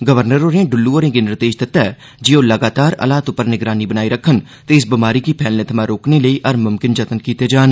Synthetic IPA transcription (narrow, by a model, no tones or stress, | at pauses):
ɡəʋəɾnəɾoːɾẽːɖʊlːuoːɾẽːɡenɪɾd̪eːʃd̪ɪt̪ɛɛ | d͡ʒiːoːləɡaːt̪aːɾə̰laːt̪ʊpːəɾnɪɡɾaːnibənaːiɾəkʰən | t̪eɪsbɪmaːɾiːkipʰɛːlnẽt̪ʰɐmãɾoːkneləiʔɐɾmʊmkɪnd͡ʒət̪ənkiːt̪ed͡ʒaːn